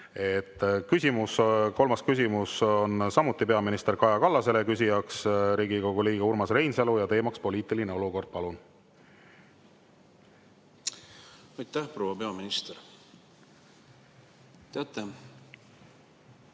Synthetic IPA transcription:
e̞t̪ːkysʲimusko̞lmɑskysimuso̞nsɑmut̪ˑːipe̞ɑminist̪e̞rkɑjɑkɑlːɑse̞lekys̬ʲijɑksɾiːɡiko̞ɡuliːɡ̥ɑurmɑsre̞jnselujɑt̪e̞ːmɑkspo̞lʲiːt̪ˑiline̞o̞luko̞rd̪̥̚pɑlun | ɑjt̪ːæhpro̞wɑpe̞ɑminist̪eɾ | t̪eɑt̪ːˑe

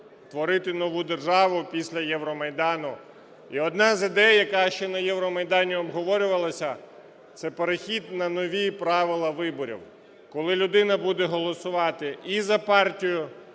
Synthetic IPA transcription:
t̪ʋɔɾɪt̪ɪnɔʋud̪erʒɑʋʊpʲisʲlʲɐjɛʋɾɔmɐjd̪ɑnʊ | iɔd̪nɑzɪd̪ɛjjɐkɑʃt͡ʃɛnɐjɛʋɾɔmɐjd̪ɑnʲiɔbɦɔʋɔɾʲʊʋɐlˠɐsʲɐ | t̪sɛpeɾexʲid̪nɐnɔʋʲipɾɑʋɪlˠɐʋɪbɔɾʲḭw | kɔlˠɪlʲʊd̪ɪnɐbud̪ɛɦɔlˠɔsʊʋɑt̪ɪizɐpɑrtʲijʊ

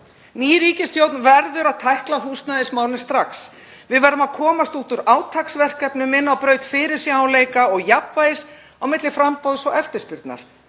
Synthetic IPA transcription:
niːɾiːcɪst̪ʰjowt̪nvɛɾðʏɾaðt̪ʰajhklaɦuːst̪naðɪsmaːwlɪ̥st̪ɾaks | vɪðvɛɾʏmaðkʰɔːmast̪ut̪ʏɾaːwt̪ʰaksvɛr̥kɛpnʏmɪnːawpɾœːɥt̪fɪːɾɪɾ̥sjɛawleːjkaɔɣjapvaɪs | awmɪt̪lɪfɾampowðsɔɛft̪ʏ̥spʏɾt̪na̰ɾ̥

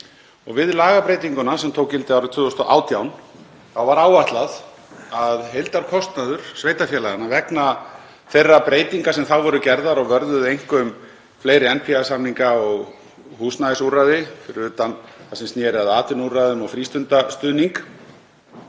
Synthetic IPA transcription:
ɔɣvɪðlaːɣapɾejt̪iŋkʏnasɛmt̪ʰowkcɪlt̪ɪawɾɪt̪ʰvʏːɔst̪ɔʔa̰ːwt̪jawn | θawvaɾaːwvaht̪lað | aðɦejlt̪aɾkʰɔst̪naðʏɾ̥sveːjt̪afjɛlaɣanavɛkna | θejrːapɾeːjt̪iŋkasɛmθawvɔɾʏcɛɾðaɾɔɣvœɾðʏðejŋ̥kʏm | fleːjɾɪɛnpʰiasamniŋkaɔɣ | huːsnaðɪsuɾaðɪfɪɾʏːt̪anθasɛmsnjɛːɾɪaðaːt̪ʏnuraðʏmɔɣfɾiːst̪ʏnt̪ast̪ʏːniŋk

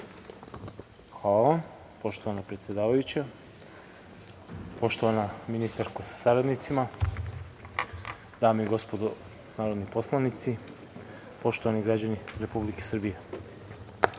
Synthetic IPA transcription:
xʋaːlaam | po̞ʃt̪oanapɾet̪sjed̪aːʋajut͡ɕa | po̞ʃt̪oʋanaminist̪aɾkosḁsaɾad̪nit̪sima | d̪aːmiɡo̞spod̪o | naːɾod̪niposlˠanit̪si | po̞ʃt̪oaniɡɾad͡ʑaniɾe̞publike̞sr̩bije

